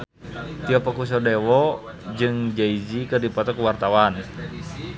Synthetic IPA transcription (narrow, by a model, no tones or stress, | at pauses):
t̪iɔpɔkus̬ɔdɛwɔ | d͡ʒɨŋd͡ʒaid͡ʒikɨrdipɔt̪ɔkuwart̪awan